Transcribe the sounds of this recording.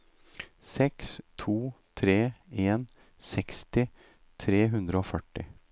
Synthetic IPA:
sɛkst̪ʰuːt̪ʰɾeːeːn | sɛkst̪ɪ | t̪ʰɾeːɦʉnd̪ɾəoːfœʈːɪ

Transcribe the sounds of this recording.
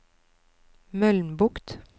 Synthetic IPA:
mœlnbʊkt̪

